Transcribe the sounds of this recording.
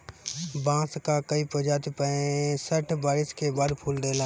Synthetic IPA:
bãːskakəipəd͡ʒaːt̪ipəẽsəʈʰbaːɾɪskebaːd̪pʰuːld̪eːlãː

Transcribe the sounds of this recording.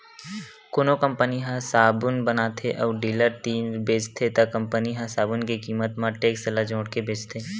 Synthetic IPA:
kʊnokə̃mpəniɦãsaːbʊnbənat̪ʰeʔɔːɖiːləɾt̪iːnɾbeːt͡ʃt̪ʰet̪ɐkɐ̃mpəniɦãsaːbʊnkikiːmət̪mãʈeːksəlad͡ʒõːʈkebʱeːt͡ʃt̪ʰeː

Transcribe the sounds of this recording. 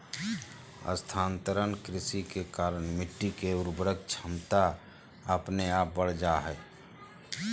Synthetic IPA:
ə̰st̪ʰaːnt̪əɾənkɾɪsikekaːɾəɳmɪʈːikeʊɾbɾəɡ̚t͡ʃʰəmt̪a | əpneaːp̚bəɽ̤d͡ʒaɦɛː

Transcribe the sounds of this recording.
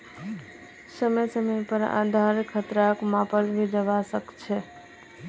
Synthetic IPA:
səməjsəməpəɾa̰d̪ʱaɾkʰət̪ɾakmapəlbʱid͡ʒəβasəkt͡ʃʰɛ

